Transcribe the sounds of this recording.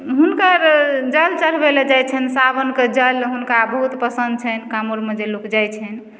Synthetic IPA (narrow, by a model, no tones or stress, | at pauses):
ɦunkəɾd͡ʒəlt͡ʃəɾ̤beled͡ʒajt͡ʃʰɛnsabənked͡ʒəlɦunkabəɦut̪pəsənd̪̚t͡ʃʰɛnkamoɾmed͡ʒelokd͡ʒajt͡ʃʰɛn